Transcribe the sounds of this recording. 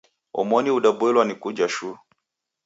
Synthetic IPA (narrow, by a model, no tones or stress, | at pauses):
ɔ̰mɔniuɗabuɛlwanikud͡ʒaʃu